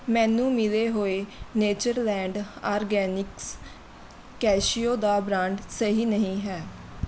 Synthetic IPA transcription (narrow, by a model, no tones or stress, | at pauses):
mɛ̃ːnũːmɪleːɦoːeːneːd͡ʒəɾlɛ̃ːɳɖaːɾɡɛːnɪks | kɛːʃioːd̪aːbɾãːɳɖsəɦiːnəɦĩːɦɛː